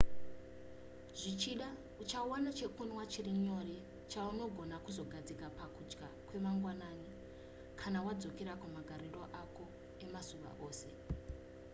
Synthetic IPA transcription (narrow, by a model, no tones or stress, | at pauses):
ʐ̥it͡ʃiɗa | ut͡ʃawanat͡ʃe̞kunwat͡ʃiriɲo̞ri | t͡ʃauno̞ɡʱo̞nakuzo̞ɡʱad͡zikapakud͡ʒɡakwe̞maŋɡwanaːni | kʰanawad͡zo̞keɾakumaɡʱaɾiro̞ʔako̞ | e̞masuʋa̰ʔoːse̞̰